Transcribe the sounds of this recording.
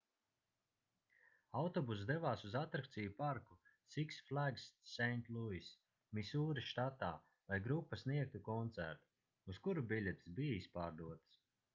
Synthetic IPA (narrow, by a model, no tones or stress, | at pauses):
awt̪ɔbus̬d̪evaːsuzat̪ɾakt̪sijupaɾkusiksflˠæɡsːɛjnt̪lˠuis | misuːɾiʃt̪at̪aː | lajɡɾupːasniɛk̚t̪ukɔnt̪sæ̰ɾt̪u̥ | uskuɾubʲilʲɛt̪sbijaispaːɾd̪uɔt̪s